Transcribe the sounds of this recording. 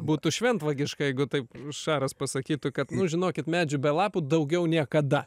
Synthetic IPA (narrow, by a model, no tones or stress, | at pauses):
buːt̪ʊʃʲʋʲɛnt̪ʋɐɡʲɪʃkɐjɛɪɡʊt̪ɐɪpʃɑːɾɐspɐsɐkʲiːt̪ʊkɐt̪nʊʒʲɪnoːkʲɪt̪mʲæːd͡ʒʲʊbʲɛlˠɑːpuːd̪ɐʊɡʲɛʊnʲiɛkɐd̪ɐ